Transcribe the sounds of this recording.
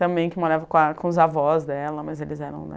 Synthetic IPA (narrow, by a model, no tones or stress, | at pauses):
t̪ɐ̃mbẽj̃kɪmoɾavɐkõɐkõʊzavɔzd̪ɛlɐmɐzelɪzɛɾɐ̰̃w̃l̰